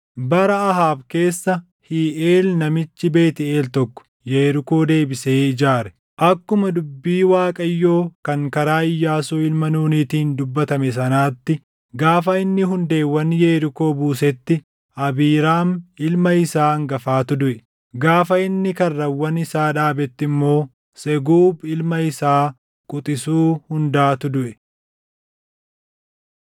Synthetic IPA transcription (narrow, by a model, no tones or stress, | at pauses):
bɐɾɐɐɦaːbke̞ːsːɐ | hiːʔeːlnɐmɪt͡ʃːɪbe̞ːt̪ɪe̞ːlt̪ɔkːɔ̥ | jeːɾɪko̞ːd̪e̞ːbɪseːɪd͡ʒaːɾɛ̥ | ʔɐkːʊmɐd̪ʊbːiːwaːkʼɐjːo̞ːkɐŋkɐɾaːɪjːaːsuːɪlmɐnuːnit̪iːnd̪ʊbːɐt̪ɐmɛsɐnaːt̪ːɪ | ɡaːfɐɪnːɪɦʊnd̪e̞ːwːɐnjeːɾɪko̞ːbuːsɛt̪ːɪ | ɐbiːɾaːnɪlmɐɪsaːɐŋɡɐfaːt̪ʊd̪ʊʔɛ | ɡaːfɐɪnːɪkɐrːɐwːɐnɪsaːᶑaːbɛt̪ːɪmːo̞ː | sɛɡuːbɪlmɐɪsaː | kʼʊt̪ʼɪsuːhʊnd̪aːt̪ʊd̪ʊʔɛ